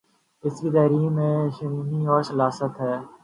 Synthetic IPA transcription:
ɪskit̪ɐːɾiːmẽːʃəniːniɔːɾsəlaːsət̪ɦɛː

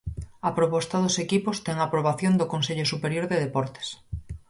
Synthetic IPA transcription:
apɾopɔst̪aðʊsekipʊst̪ɛŋapɾoβaθjond̪ʊkonseʎʊsupeɾjoɾðeðepɔɾt̪e̥s

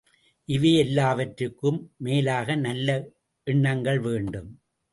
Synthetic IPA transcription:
ʔɪʋeːɛlːaːʋɐʈɾɯkːɯmːeːlaːɣɐnɐlːɐ | ʔɪɳːɐŋɡɐɭʋeːɳɖɯm

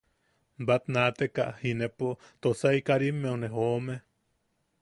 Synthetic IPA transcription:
bat̪nat̪eka̰ʔhinepo | t̪osaikaɾimːeuneɦoːme

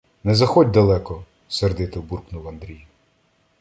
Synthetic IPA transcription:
nɛzɐxɔdʲd̪ɐlˠɛkɔ | serd̪ɪt̪ɪwburknuʋɐnd̪ɾʲij

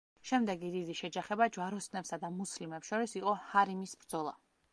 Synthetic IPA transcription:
ʃɛmd̪ɛɡidid̪iʃɛd͡ʒaχɛbad͡ʒwaɾɔsnɛpsad̪amuslimɛpsʃɔɾisiqʼɔhaɾimisbɾd̪zɔlˠa̰

